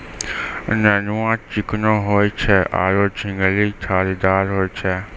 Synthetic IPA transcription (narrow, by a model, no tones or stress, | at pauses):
nənuãːt͡ʃɪknõɦoːet͡ʃʰɛʔa̰ːɾoːd͡ʒʰʱɪ̃ŋɡəlit̪ʰaːlid̪aːɾɦoːet͡ʃʰɛ